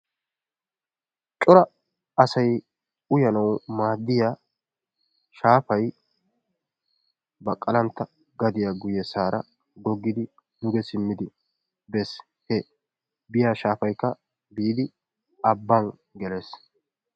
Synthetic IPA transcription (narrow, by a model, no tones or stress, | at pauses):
t͡ʃʼɔɾɐ | ɐsɐj | ʊjɐnɐwmaːd̪ːɪja | ʃaːfɐj | bɐkʼːɐlɐnt̪ːɐ | ɡɐd̪ɪjaɡʊjɛsaːɾɐ | ɡɔɡːɪd̪ɪ | d̪ʊɡɛsɪmːɪd̪ɪ | bɛs | he | bɪjaːʃaːfɐjkːɐ | biːd̪ɪ | ɐbːɐn | ɡɛles